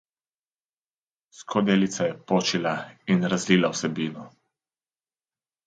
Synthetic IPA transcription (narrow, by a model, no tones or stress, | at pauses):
skʰɔd̪eːlit̪sajɛpoːt͡ʃilainɾazliːlawsɛbiːnɔ